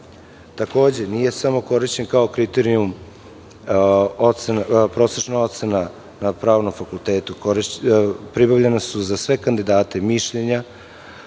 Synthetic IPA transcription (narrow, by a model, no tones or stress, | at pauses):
t̪ako̞ːd͡ʑe̞nije̞samo̞ko̞ɾiʃt͡ɕe̞nkaokɾit̪eɾium | ot̪senpɾo̞ːtseʃnao̞t̪se̞na | napɾaːʋno̞mfakulˠt̪eːt̪ukoɾpɾibavʎenasuzasʋe̞kand̪id̪aːt̪emiʃʎe̞ɲa